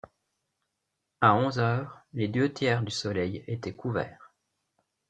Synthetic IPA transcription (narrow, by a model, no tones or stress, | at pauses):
aɔ̃zœːʁled̪øt̪jɛːʁd̪ysɔlɛjet̪ɛkʰuvɛ̰ːʁ